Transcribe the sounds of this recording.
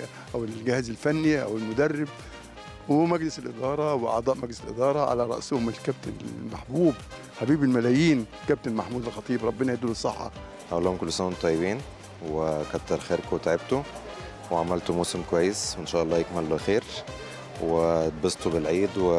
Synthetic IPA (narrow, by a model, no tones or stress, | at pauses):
ʔæwɪlɡɪhæːzælfænːiʔæ̰wɪlmʊd̪ærːɪb̚ | wmæɡlɪsɪlʔɪd̪ɑːɾˤɑwɪʔɑ̰ʕd̪ˤɑːʔmæɡlɪsɪlʔɪd̪ɑːɾˤɑʕa̰læɾˤɑ̰ʔsʊhʊmɪlkæb̚t̪ɪnɪ̰maħbuːb | ħabiːbɪlmælæːjiːn | kæb̚t̪ɪmaħmuːd̪alxɑt̪ˤiːbɾˤɑbːɪnɑʕed̪ːulesˤːeħːɑ̰ | hæʔlːoːhomkʊlːsæːnt̪ˤːɑjːebiːn | wekɑtt̪ːɑɾˤxeːɾkwet̪ʕeb̚t̪u | weʕamælt̪umuːsɪmkowæjːesweʔenʃæːʔɑlˤːɑːjekmelloxeːɾ | webɑst̪ubɪlʕiːd̪we